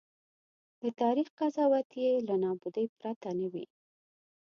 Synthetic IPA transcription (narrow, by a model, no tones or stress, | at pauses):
d̪ət̪ɑɾixqazɑwat̪jelanɑbud̪əjpɾat̪anawḭ